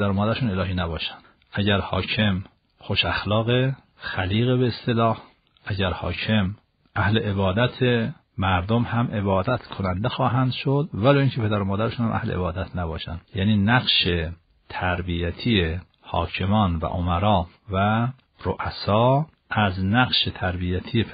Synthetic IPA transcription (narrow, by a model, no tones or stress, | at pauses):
d̪æɾomɒːd̪æɾeʃuːne̞lɒːɦiːnæbɒːʃæ̥nd̪̥ | ʔæɟæɾhɒ̰ːcʰe̞m | xoʃæxlɒːɣe | xæliːɣeβeːst̪e̞lɒːh | ʔæɟæɾhɒ̰ːcʰe̞m | ʔæhle̞ʔeβɒːd̪æt̪ʰe | mæɾd̪omhæmʔe̞βɒːd̪æt̪ʰkʰonænd̪exɒːɦænd̪ʃod̪væloːiːŋcʰepʰed̪æɾomɒːd̪æɾeʃunhæ̰mʔæ̰hlḛʔebɒːd̪æt̪ʰnæbɒːʃæ̰nd̪jæːniːnæqʃe | t̪ʰæɾbijæt̪ʰije | hɒ̰ːcʰemɒːnvæ̰ʔomæɾɒː | væ | ɾoʔæsɒː | ʔæznæqʃet̪ʰæɾbijæt̪ʰije